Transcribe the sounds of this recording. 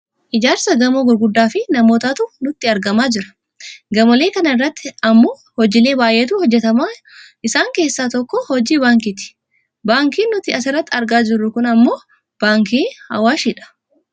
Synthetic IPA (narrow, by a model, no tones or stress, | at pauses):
ʔɪd͡ʒaːɾsɐɡɐmoːɡʊɾɡʊd̪ːaːfɪnɐmoːt̪aːt̪unʊt̪ːɪɐɾɡɐmaːd͡ʒɪɾɐ̥ | ɡɐmɐle̞ːkɐnɐɪrːɐt̪ːɪɐmːo̞ː | hɔd͡ʒɪle̞ːbaːjʔeːt̪uːhɔd͡ʒːɛt̪ɐmaː | ʔɪsaːŋke̞ːsːaːt̪ɔkːɔhɔd͡ʒiːbaːŋkit̪ɪ̥ | baːŋkiːnːʊt̪ɪɐsɪrːɐt̪ːɪɐɾɡaːd͡ʒɪrːʊkʊnɐmːoː | b̥aːŋkiːhɐ̰waːʃiᶑɐ̥